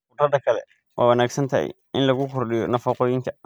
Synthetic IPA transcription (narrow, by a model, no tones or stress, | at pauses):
ʊt̪ɐd̪ɐkʰɐlɛ̰ | wʔa̰ːwɐnaːɡsɐnt̪ʰɐɛ̰j | ʔɪnlɐɣʊkʰɔrɗɪjɔnɐfɔːqɔːjɪŋkʰɐ